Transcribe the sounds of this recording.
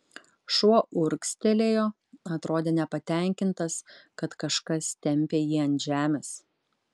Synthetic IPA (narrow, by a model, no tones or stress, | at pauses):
ʃuɔʔʊɾksʲt̪ʲelʲeːjoː | ɐt̪ɾoːd̪ʲeːnʲɛpɐt̪ʲæˑŋʲkʲɪnt̪ɐskɐt̪kɐʃkɐst̪ʲɛmʲpʲeːjiːɐnʲʒʲæːmʲeːs